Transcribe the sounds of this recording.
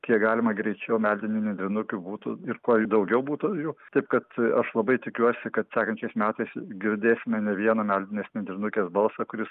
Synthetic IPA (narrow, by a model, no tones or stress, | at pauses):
kʲiɛkɡɑːlʲɪmɐɡɾʲɛɪt͡ʃʲɛʊmʲælʲd̪ʲɪnʲɪnʲɛnʲd̪ʲɾʲɪnʊkʲʊbuːt̪ʊɪɾkuːd̪ɐʊɡʲɛʊbuːt̪ʊjɛt̪ɐɪp̚kɐt̪ɐʃlˠɐbɐɪt̪ʲɪkʲuɔsʲɪkɐt̪sʲæːkɐnʲt͡ʃʲɛɪsmʲæːt̪ɐɪsɡʲɪɾʲd̪ʲeːsʲɪmʲɛnʲɛʋʲiɛnoːmʲælʲd̪ʲɪnʲeːsnʲɛnʲd̪ʲɾʲɪnʊkʲeːsbɐlˠsɐkʊɾʲɪs